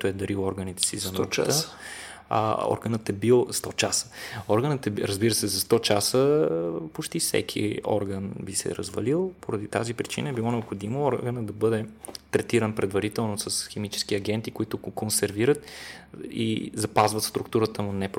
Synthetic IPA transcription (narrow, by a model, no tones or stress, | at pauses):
t̪ʊɛd̪ɐɾilˠɔɾɡənit̪ɛ̥sizɐnut̪ə | a̰ɔ̰ɾɡənət̪ɛbilˠst̪ɔt͡ʃasə̥ɔɾɡənət̪ɛɾəzbiɾəsɛzɐst̪ɔt͡ʃasəpot͡ʃt̪ifsɛ̰kʰḭɔ̰ɾɡənbisɛ̰ɾɐ̰zvɐ̰lilˠpoɾɐd̪it̪azipɾit͡ʃinəɛbilˠɔnɛopxod̪imoɔɾɡənəd̪ɐbɤd̪ɛt̪ɾɛt̪iɾənpɾɛd̪vɐɾit̪ɛlˠnosɐsxɛmit͡ʃɛ̥skiɐɡ̟ɛnt̪ikoit̪ʊkonsɛɾviɾət̪ | ḭzɐpazvət̪st̪ɾukt̪uɾət̪əmunɛp